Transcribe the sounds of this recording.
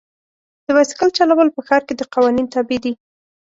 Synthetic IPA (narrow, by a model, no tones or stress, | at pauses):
d̪̥əwɑsɪ̥kəlt͡ʃalawəlpəxɑɾked̪əqɑwɑnint̪ɑbed̪i